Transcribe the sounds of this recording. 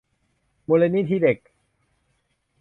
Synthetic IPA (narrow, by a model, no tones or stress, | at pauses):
molenit̪ʰiɾek